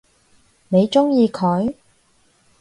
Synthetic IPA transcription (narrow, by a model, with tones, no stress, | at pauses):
ne˨˧jt͡ʃʊ˥ŋjiː˧kʰɔ˨˥j